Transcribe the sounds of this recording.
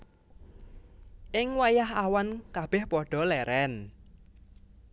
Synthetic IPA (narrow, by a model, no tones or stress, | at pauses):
ʔɪŋwajaɦawankab̥ɛhpɔɖ̥ɔ̤lɛɾɛn